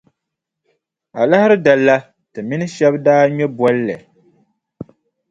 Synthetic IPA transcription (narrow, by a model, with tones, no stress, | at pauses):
a˨la˦hɪ˦ɾɨ˦da˨lːa˦ | tɨ˨mi˦nɨ˦ʃɛ˦bdaː˦ɲɔ˦bwɔ˦lːɨ˨